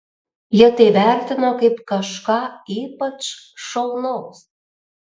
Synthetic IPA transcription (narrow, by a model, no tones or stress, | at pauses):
jət̪eβært̪ɪnokəjpkɑʃkɑipət͡ʃ | ʃolnos